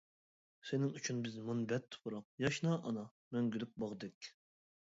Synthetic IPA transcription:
senɪŋyt͡ʃʰynbɪzmunbɛt̪ʰːʊ̥pʰʊɾɑq̚jɑʃnɑʔɑnɑ | mɛŋɡʲylyk̚bɑʁd̪ɪkʲ

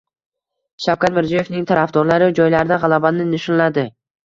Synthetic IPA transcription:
ʃawkʲat̪mɪɾziɒjefnɪŋt̪ʰaɾafd̪ɒɾlaɾɪd͡ʒɒjlaɾɪd̪aʁɑlˠabanɪnɪʃɒnlad̪ɪ

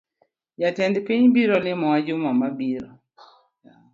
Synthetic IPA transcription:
jatɛndpiɲbiɾɔlɪmɔwad͡ʒʊmamabiɾɔ | ja

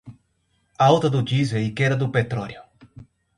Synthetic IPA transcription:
awt̪ɐd̪ʊd͡ʒizeikeɾɐd̪ʊpet̪ɾɔɾjʊ

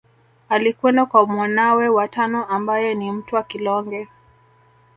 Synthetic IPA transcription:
alikwɛndakwamwanawɛwatanɔʔambajɔnim̩tuwakilɔŋɡɛ

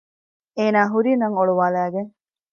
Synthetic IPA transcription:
eːnaːɦuɾinɐŋoɭuʋaːlæːɡeŋ

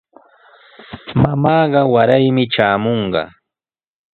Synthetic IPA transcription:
mamɑːɢɑwaɾajmɪʈ͡ʂaːmoɴɢɑ̰

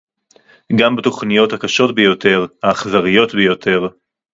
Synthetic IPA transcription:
ɡambeto̞χnijo̞thakaʃo̞tbejo̞te̞ʁhaːχzaʁijo̞tbejo̞tʰe̞ʁ

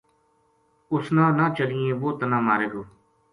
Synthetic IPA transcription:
ʊsnãːnãːt͡ʃəliːẽːʋoːt̪ənãːmaːɾeːɡoː

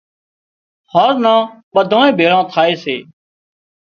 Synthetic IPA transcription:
həɾnãːɓəd̪ʱãːẽːbʱeːɭãːt̪ʰaːeːseː

